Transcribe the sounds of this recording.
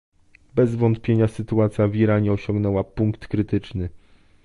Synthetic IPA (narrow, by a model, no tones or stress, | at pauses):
bɛzvɔnt̪̚pʲjeɲasɘt̪uat̪sʲjaviɾaɲɛɔɕɔ̃ŋɡnɛwapuŋkt̪kɾɘt̪ɘt͡ʂnɘ